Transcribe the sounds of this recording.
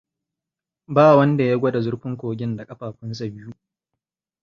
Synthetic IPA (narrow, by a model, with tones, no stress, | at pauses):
baː˦˨wɐ˦nda˨ja˦ɡʷɔ˦da˨zʊ˦ɽɸɪ˦ŋkʷoː˨ɡʲɪ˦nda˨kʼɐ˦ɸaː˨ɸɪ˦ns̬a˨bɪ˦ju˦ʔ